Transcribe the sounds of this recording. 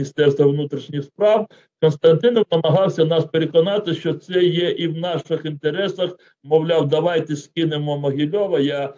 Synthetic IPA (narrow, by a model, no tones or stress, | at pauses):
ist̪ɛrst̪ʋɐʋnut̪ɾʲiʃnʲixspɾɑw | kɔnst̪ɐnt̪ɪnɔwnɐmɐɦɑwsʲɐnɑspeɾʲekɔnɑt̪ɪʃt͡ʃɔt̪sɛjɛʔiwnɑʃɪxint̪eɾɛsɐx | mɔwlʲɑwd̪ɐʋɑjt̪ɪsʲkʲɪnɪmɔmɔɦʲɪlʲɔʋɐja